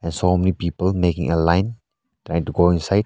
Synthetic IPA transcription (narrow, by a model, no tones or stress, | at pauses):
ɛ̃nsomɛnipipəlmekḭ̃ŋəlajn | tɾajĩŋtuɡoĩnsajd̚